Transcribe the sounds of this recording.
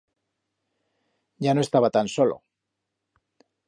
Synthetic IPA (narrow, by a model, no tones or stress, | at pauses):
ɟ͡ʝano̞est̪aβat̪anso̞lo̰